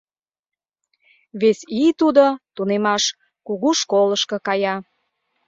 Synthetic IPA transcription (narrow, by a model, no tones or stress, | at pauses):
βesit̪ud̪ot̪unemɑʃ | kuɣuʃkoləʃkɤ̆kɑjɑ